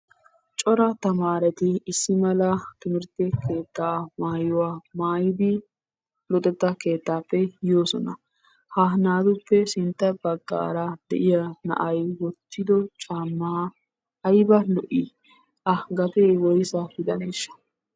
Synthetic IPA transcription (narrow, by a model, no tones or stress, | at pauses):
t͡ʃʼɔɾɐt̪ɐmaːɾɛt̪ɪːsːɪmɐlɐt̪ʊmɪɾt̪ːɛkʰe̞ːt̪ːaːmaːjʊwaːmaːjɪd̪ɪ | lɔt̪ʼɛt̪ːɐke̞ːt̪ːaːpːɛjoːsɔnɐ | hɐnaːd̪ʊpːɛsɪnt̪ːɐbɐɡːa̰ːɾɐd̪̥ɛ̰ʔɪjɐnɐ̰ʔɐjwɔt̪ːɪd̪ɔt͡ʃʼaːmːɐ | ʔːjbɐlɔʔi | ʔɐɡɐt̪eːwɔjsɐɡɪd̪ɐneːʃːɐ̥